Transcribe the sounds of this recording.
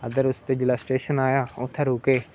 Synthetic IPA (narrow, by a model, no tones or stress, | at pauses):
əd̪əɾʊst̪eːd͡ʒɪlaːsʈeːʃənaːjaːʊt̪ʰːeːɾoːkeː